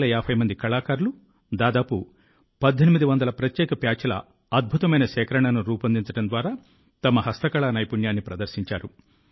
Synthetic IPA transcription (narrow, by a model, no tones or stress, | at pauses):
lɐjaːpʰɐjmɐnd̪ikɐɭaːkaːɾlu | d̪aːd̪aːpu | pɐd̪ʱːenimid̪iʋɐnd̪ɐlɐpɾɐt̪jɛːkɐpjaːt͡ʃɐlɐ̰ | ɐd̪̚bʱut̪ɐmɐjnɐʃɛːkɐɾɐɳɐnuɾuːpɐnd̪iɲt͡ʃɐʈɐnd̪ʋaːɾaː | t̪ɐmɐɦɐst̪ɐkɐɭaːnɐjpuɳjaːnːipɾɐd̪ɐɾʃiɲt͡ʃaːɾu